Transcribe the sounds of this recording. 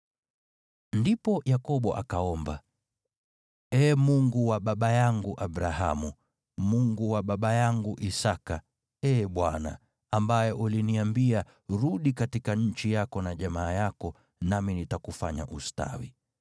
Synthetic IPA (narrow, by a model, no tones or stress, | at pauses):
ndipɔjakɔɓɔʔa̰kaɔmba̰ | ɛːmuŋɡuwaɓaɓajaŋɡuʔabɾaɦa̰mu | muŋɡuwaɓaɓajaŋɡuʔisaka | ɛːɓwana̰ | ambajɛʔuliniambia | ɾuɗikatikaɲ̩t͡ʃijakɔnaʄamaːjakɔ | naminitakufaɲa̰ʔusta̰wḭ